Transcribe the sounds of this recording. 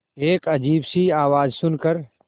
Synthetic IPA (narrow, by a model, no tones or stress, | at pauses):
eːkɐd͡ʒiːbsiaːʋaːzsʊnkəɾ